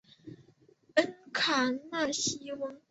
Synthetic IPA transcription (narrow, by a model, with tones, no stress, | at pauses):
ə˥nkʰa˨˩˦ŋna˥˩ɕi˥wə˥ŋ